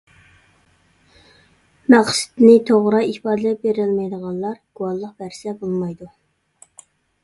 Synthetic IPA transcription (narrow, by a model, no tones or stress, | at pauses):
mæʁsɪ̥t̪nɪt̪ʰoʁɾɑihpɑːd̪lɛp̚beɾɪlmɛjd̪əʁɑnlˠɑɾɡ̥uwɑlˠːəq̚b̥æɾsɛbolˠmɑjd̪u